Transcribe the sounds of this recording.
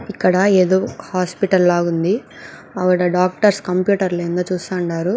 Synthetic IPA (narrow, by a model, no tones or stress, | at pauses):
ikːɐɽɐeːd̪ohaːspiʈɐllaːɡund̪i | ɐʋɐɽɐɖaːk̚ʈɐɾskɐmpjuːʈɐɾlenɡ̪ɐːt͡ʃuːst̪aːɳʈaːɾu